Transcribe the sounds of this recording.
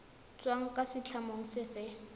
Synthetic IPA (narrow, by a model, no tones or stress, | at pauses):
t͡sʼwaŋ̩kʼasɪt͡ɬʰamoŋ̩sɪsɪ